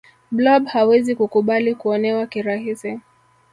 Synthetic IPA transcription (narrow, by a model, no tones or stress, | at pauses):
blɔɓhawɛzikukuɓalikuɔnɛwakiɾaɦisi